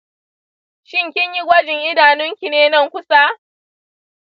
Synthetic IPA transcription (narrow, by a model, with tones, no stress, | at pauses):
ʃɪ˦ŋkʲɪ˦ɲji˦ɡʷɐ˦d͡ʒɪ˨ŋʔɪ˦daː˨nʊ˦ŋkʲi˨neː˦nɐ˦˨ŋkʷʊ˦saː˦